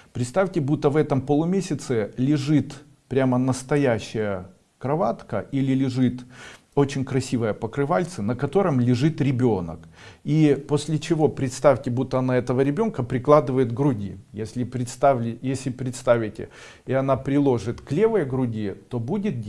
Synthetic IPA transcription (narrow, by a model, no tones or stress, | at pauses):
pɾʲɪt̪st̪afʲtʲɪbut̪ːəvɛt̪əmpəlˠʊmʲesʲɪt̪sɨlʲɪʐɨt̪ | pɾʲamənəst̪ɐjæɕːɪjə | kɾɐvat̪kəʔilʲɪlʲɪʐɨt̪ | o̞t͡ɕɪnʲkɾɐsʲivəjəpəkɾɨvalʲt̪sɨnəkɐt̪o̞ɾɨmlʲɪʐɨt̪ɾʲɪbʲonə̰k | iposʲlʲɪt͡ɕɪvo̞pɾʲɪt̪st̪afʲtʲɪbut̪ːəɐnaɛt̪əvəɾʲɪbʲo̞nkəpɾʲɪklˠad̪ɨvəjɪt̪ɡɾʊdʲḭjesʲlʲɪpɾʲɪt̪st̪avʲɪjesʲlʲɪpɾʲɪt̪st̪avʲɪtʲɪ̰ | ɪɐnapɾʲɪlˠo̞ʐɨt̪klʲevɨjəɡɾʊdʲit̪o̞budʲɪt̪̚ʲ